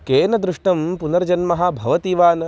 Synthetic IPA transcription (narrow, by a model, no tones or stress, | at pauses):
keːnɐd̪ɾuʂʈɐmpunɐɾd͡ʒɐnmɐɦabʱɐʋɐt̪iʋaːnɐ